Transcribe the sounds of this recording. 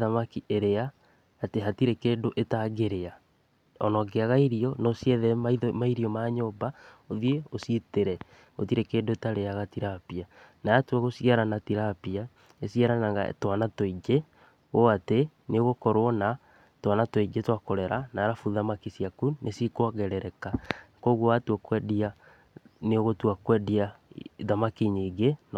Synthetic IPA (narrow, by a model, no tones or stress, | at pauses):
ðamakiʔeɾeaː | teɦatiɾekeːdoʔetaɡeɾea | ɔnɔɡeaɣaiɾiɔnɔsiɛðɛmaimaiɾiɔmaɲoba | oðieositeɾɛ | o̰tiɾekeːdoetaɾeaɣatiɾapia | najatwɛɣosiaɾanatiɾapia | esiaɾanaŋɣa̰twanatoiɡe | oate | neoɣokɔɾwɔna | twanatwiɡetwakoɾɛɾanaːɾafuðamakisiakunʔesikwaɣɛɾɛɾɛkakoɣɔatwɛkwɛdia | neoɣotwakwɛdiaðamakiɲeɡen